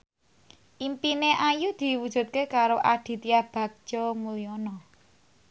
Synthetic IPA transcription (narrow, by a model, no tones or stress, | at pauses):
ʔimpineʔajud̪̥i̤wud̥ʒ̥ṳt̪̚kekaɾoʔad̪̥i̤t̪iab̥a̤k̚d͡ʒ̥ɔmuliɔnɔ